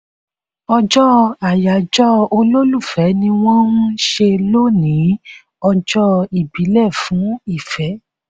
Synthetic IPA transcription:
ɔ˧d͡ʒɔ˦a˨ja˨d͡ʒɔ˦o˧lo˦lu˦˨fɛ˨˦nĩ˧w̃ɔ̃˦ũ˦ʃe˧lo˦˨nĩ˨˦ | ɔ˧d͡ʒɔ˦i˨bi˨˦lɛ˦˨fũ˨˦i˦˨fɛ˨˦

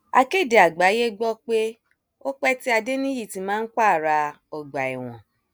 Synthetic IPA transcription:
a˧ke˦˨de˨a˨ɡ͡ba˨˦je˦ɡ͡bɔ˦k͡pe˦ | o˦k͡pɛ˦ti˦a˧de˦nĩ˦ji˦˨ti˨˦mãː˦n̩˦ka˦˨ɾa˧ | ɔ˨ɡ͡ba˨ḭ˨w̃ɔ̰̃˨

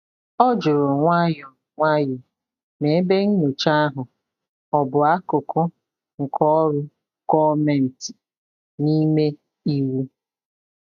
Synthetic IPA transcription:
ɔ˦d͡ʒʊ˨ɾʊ˨ŋʷa˦jɔ˨ | ŋʷa˦jɔ˨ | ne˨˦be˦ŋ̩˦no˨t͡ʃa˦a˦ɦʊ˨ | ɔ˨bʊ˨a˦kʊ˨kʊ˦ | ŋ̩˨kʰɔ˦ɾʊ˦ | kɔ˦me˦˨n̩˨tɪ˨ | ni˦me˦ | i˦wu˦

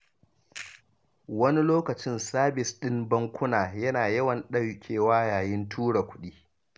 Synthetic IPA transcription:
wɐ˦ni˦loː˦kɐ˨t͡ʃɪ˦nsaː˦bɪ˨sɗɪ˦mbɐ˦ŋkʷʊ˦naː˨jɐ˦naː˨jɐ˦wɐ˨nɗɐ˦wkʲʰeː˨waː˦jaː˨jɪ˦ntʰuː˦ɽa˨kʷʊ̥˦ɗiː˦

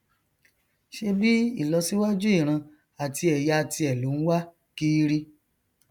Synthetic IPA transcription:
ʃe˧bi˦i˦˨lɔ˧si˦wa˦d͡ʒu˦i˦˨ɾ̃ã˧ | a˨ti˧ɛ˨ja˧a˧˨tʰi˧ɛ˨lu˨˦n̩˦wa˦ | ki˦ɾi˦

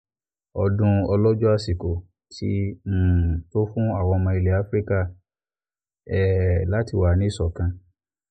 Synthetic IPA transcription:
ɔ˨dũ˧ɔ˧lɔ˦d͡ʒɔ˦a˧si˨ko˨ | tʰi˦˨ | to˦fũ˦a˦˨wɔ̃˧mã˧i˧le˨a˦fɾi˦ka˦˨ | ɛ˦˨la˦ti˦˨wa˨˦nĩ˨˦i˦˨sɔ˨kã˧

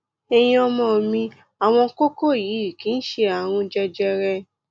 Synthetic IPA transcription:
e˧j̃ĩ˧ɔ˧mɔ̃˦˧˨mĩ˧ | a˨w̃ɔ̃˧ko˦ko˦˨ji˨˦i˨kĩ˨˦n̩˦ʃe˧a˨ɾ̃ũ˧d͡ʒɛ˧d͡ʒɛ˧ɾɛ˧

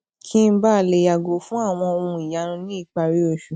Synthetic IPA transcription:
kʰĩ˦m̩˦ba˦˨le˧ja˨ɡo˨fũ˦a˦˨w̃ɔ̃˧o˧ũ˧i˨ja˨˧˦nũ˧nĩ˦i˦˨k͡pa˧ɾi˦o˦˧˨ʃu˨

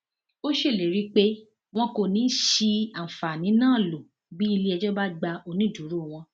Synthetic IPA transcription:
o˦ʃe˦˨le˨ɾi˦k͡pe˦ | w̃ɔ̃˧ko˨nĩ˨˦ʃi˧a˨fa˨nĩ˨˦nãː˦˨lo˨ | bi˦i˧li˧˦ɛ˧d͡ʒɔ˦ba˦ɡ͡ba˧o˧nĩ˦du˨˦ɾu˦˨w̃ɔ̃˧

